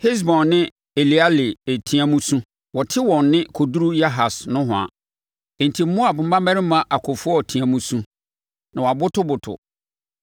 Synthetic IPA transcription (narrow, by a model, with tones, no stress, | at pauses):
hi˦s̬bɔ̃˨nːɪ̃˦ | e˨li˨a˦lɪ˨e˨tʰĩ˨ã˦mũ˦sũ˦ | wɔ˨tʰɪ˦wɔ̃˨nːɪ̃˦kʰo˨du˦ɾu˦ja˦ɦa˨snʊ̃˦ɦʊ̃˨a̰˨ | e˨n˨tʰi˨m̩˦mʊ̃˦a˨bʊ̃˨m̩˦bã˦mæ˦ɾɪ˦mã˨ʔa˨kʰɔ˨fʊ˦ɔ˦˨tʰĩ˨ã˨mũ˦sũ˦ | nã˨wa˨bʊ˦tʰʊ˦bʊ˨tʰʊ̰˨